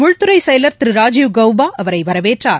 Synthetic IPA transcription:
mʊɻt̪ɯɾɐɪsɐjɐlɐɾt̪ɪɾɯɾaːd͡ʒɪʋɡɐwbaːʔɐʋɐɾɐɪʋɐɾɐʋeːʈraːɾ

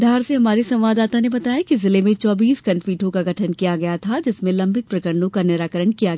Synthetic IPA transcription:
d̪ʱaːɾseɦɐmaːɾisɐ̃mʋaːd̪aːt̪anebɐt̪aːjakizɪlemẽt͡ʃɔːbiːskɐ̃npiːʈʰõkaɡʱɐʈʰənkijaɡɐjat̪ʰad͡ʒɪsmẽlɐ̃mbʱɪt̪̚pɾɐkəɾnõkanɪɾaːkəɾəɳkijaɡɐja

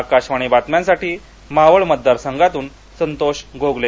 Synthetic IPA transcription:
akaɕʋaɽ̃ibat̪mjãnsaʈiː | maʋəɭməd̪̚d̪aɾsəŋɡat̪uːn | sənt̪oɕɡoɡle

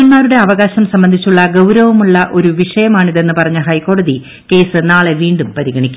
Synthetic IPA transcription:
ɐmaːɾuɽe̞ɐʋɐɣaːɕɐmsɐmbɐnd̪ʱit͡ɕːuɭːɐɡɐwɾɐʋɐmuɭːɐʔo̞ɾuʋiʂɐjɐmaːɳiðe̞nːɨpɐrɐɲːɨɦɐjkːoːɽɐði | ke̞ːsɨnaːɭeʋiːɳɖumpɐɾiɡɐɳikʲːum

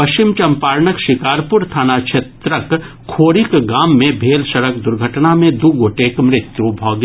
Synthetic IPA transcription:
pɐʃɪmt͡ʃɐ̃mpaːɾɳəkʃɪkaːɾpʊɾt̪ʰaːnat͡ʃʰet̪ɾək | kʰːoːɾɪkɡaːmːẽbʱeːlʃɐɾək̚d̪ʊɾɡʱəʈnamẽd̪uɡoːʈeːkmɾɪt̪jubʱɔːɡ

